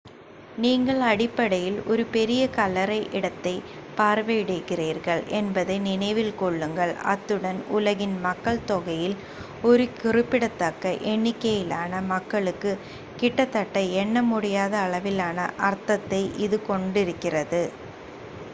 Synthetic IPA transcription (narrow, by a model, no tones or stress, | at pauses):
niːŋɡɐɭɐɽɪpːɐɽɐjɪlɔɾɯpɛɾɪjɐkɐlːɐɾɐɪʔɪɽɐt̪ːɐɪpaːɾʋeːɽɯɣɪriːɾɣɐɭʔɛnbɐðɐɪnɪnɐɪʋɪlkɔɭːɯŋɡɐɭɐ̰t̪ːɯɽɐnʊlɐɣɪnmɐkːɐɭt̪ɔɣɐjɪl | ɔɾɯkɪrɪpːɪɽɐt̪ːɐkːɐʔɛɳːɪkːɐjɪlaːnɐmɐkːɐɭɯkːɯ | kɪʈːɐt̪ːɐʈːɐɛnːɐmʊɽɪjaːðɐːɭɐʋɪlaːnɐ̰ʔɐɾt̪ɐt̪ːɐɪʔɪðɯkɔɳɖɪɾɯkːɪrɐðɯ